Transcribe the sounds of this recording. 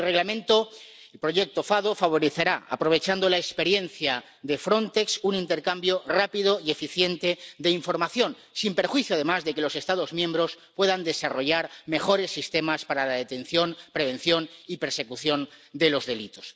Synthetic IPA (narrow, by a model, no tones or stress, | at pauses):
lreɣlamẽ̞nt̪o | elpɾo̞ʝe̞k̚t̪o̞faðofaβ̞o̞ɾeθeɾaa̰pɾo̞β̞e̞t͡ʃand̪olaekspe̞ɾje̞nθja | ðe̞fɾo̞nt̪e̞ksunint̪e̞ɾkambjo̞rapiðo̞ie̞fiθje̞nt̪ed̪e̞iɱfoɾmaθjõ̞n | simpe̞ɾxwiθjoaðe̞mazðe̞ke̞lo̞se̞st̪að̞o̞zmjẽ̞mbɾo̞spwe̞ðand̪e̞saro̞ʝaɾme̞xo̞ɾe̞sːist̪e̞maspaɾalaðe̞t̪ẽ̞nθjo̞npɾe̞β̞e̞nθjo̞nipe̞ɾse̞kuθjo̞nd̪e̞lo̞zðe̞lit̪o̞s